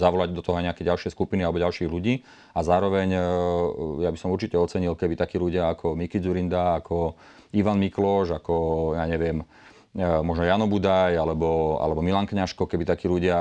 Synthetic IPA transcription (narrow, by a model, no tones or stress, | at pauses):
zaʋɔlaɟd̪ɔt̪ɔɦɔajɲɛakɛɟalʃɪɛskupinialɛbɔɟalʃiːɦluɟiː | azaːɾɔʋɛɲ | jabisɔmuɾt͡ʃicɛɔt͡sɛɲilkɛbit̪akiːluɟɪaakʰɔmikid͡zuɾind̪aːkʰɔ | iʋanmiklɔʒakɔjaːɲɛʋɪɛm | mɔʒnɔjanɔbud̪ajalɛbɔa̰lɛbɔmilaŋkɲaʃkɔkɛbit̪akiːluɟɪa